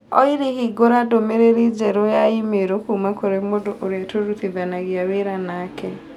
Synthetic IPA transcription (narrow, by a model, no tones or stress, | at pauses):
ɔ̰iɾihiɡoɾadomeɾeɾid͡ʒɛɾojaimeɾokumakoɾemodoʔoɾɛtoɾuθivanaɣjaweɾanaːkʰɛ